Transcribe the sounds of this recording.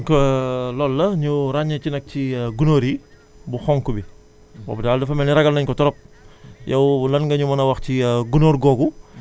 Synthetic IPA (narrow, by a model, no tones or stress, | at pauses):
kɔlɔːlːɐɲuɾaɲɐt͡ʃinɐk̚ciɡunoːɾi | buxɔŋkubi | wɔ̰bdaːldɐfɐmɛniɾɐɡɐlnɐɲkɔtɔɾɔp̚jɐwlɐnŋɡɐɲumɐnɐwɐxciɡunoːɾɡɔɡu